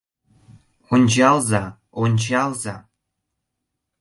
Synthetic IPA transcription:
onʲd͡ʑɑlˠzɑ | onʲt͡ɕɑlˠzɑ

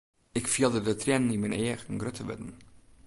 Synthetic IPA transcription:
ɪkfiəlˠdədətʰrjɛnnːiməneːəxənɡrøtʰəʋə̰tn̩

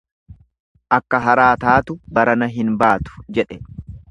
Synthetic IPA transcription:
ʔɐkːɐɦɐɾaːt̪aːt̪ʊbɐɾɐnɐɦɪnbaːt̪ʊ̥d͡ʒɛᶑɛ

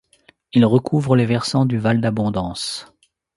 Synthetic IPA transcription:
ilʁəkʰuvʁəlevɛʁsɑ̃d̪yvald̪abɔ̃d̪ɑ̃s

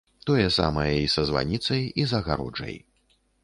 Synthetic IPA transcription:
t̪ɔjɐsa̰mɐjɐisɐzva̰nʲit̪sɐjizɐɣaɾɔ̰d͡ʐɐ̰j

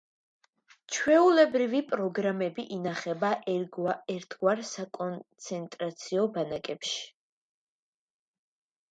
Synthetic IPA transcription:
t͡ʃʰwɛulɛbɾivipʼɾɔɡɾamɛbiʔinaχɛbaʔɛɾt̪ʰɡwaɾsakʼɔnt̪sʰɛnt̪ʼɾat̪sʰiɔbanakʼɛpʃi̥

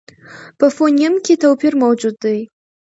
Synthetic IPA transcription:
pəfonijamkʲet̪awpiɾmawd͡ʒud̪ːaj

